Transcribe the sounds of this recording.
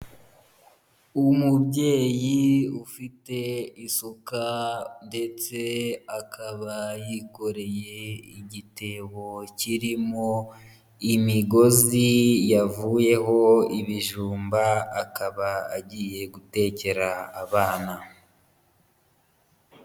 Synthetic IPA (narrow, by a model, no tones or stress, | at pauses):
umubɟe̞ːjiufite̞isukande̞t͡se̞akʰaβajiko̞ɾe̞je̞iɟite̞ːβo̞ciɾimo̞ | imiɡo̞zijavuːje̞ɦo̞iβiʒuːmbaːkaβaaɟiːje̞ɡute̞ce̞ɾaːβaːna